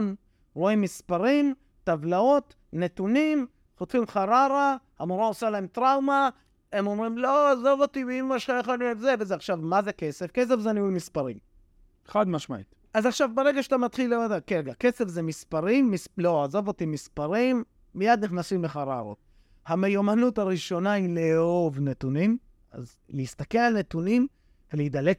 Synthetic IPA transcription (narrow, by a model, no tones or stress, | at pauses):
n | ʁoimːispaʁim | tavlao̞t̪ | ne̞t̪unim | χot̪fimχaʁaʁahamoɾaosalae̞mt̪ʁawma | emo̞mʁimloazovot̪ivimmaʃajeχalemzevezeaχʃavmazeke̞se̞fke̞s̬e̞fzeaniumispaʁḭm | eχad̪maʃma̰ḭt̪ | azaχʃavbeʁeɡaʃatamat̪χilːedakeɡake̞sefzemispaʁimːislo̞azovot̪imispaʁimː | ijad̪niχnasimleχaʁa̰ʁo̰t̚ | hamejomanutaʁiʃo̞naileo̞vnet̪unim | a̰z | leist̪ake̞lalne̞tunim | veleid̪ale